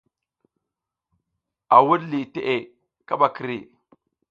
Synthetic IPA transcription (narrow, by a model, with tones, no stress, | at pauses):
a˨wu˦dli˨te˦ʔe˨ | ka˦ɓa˨ki˨ɾḭ˨